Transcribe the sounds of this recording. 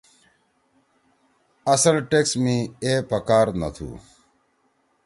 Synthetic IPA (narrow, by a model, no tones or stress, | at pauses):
ɐsəlʈeksmĩeːpɐkaːɾnɐ̰t̪ʰṵː